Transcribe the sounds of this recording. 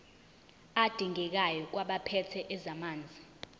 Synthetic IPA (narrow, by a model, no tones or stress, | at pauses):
ad̥ʱiŋɛk̬ajɔk̬waɓapʰɛtʰɛʔɛzamaːnd͡zʱi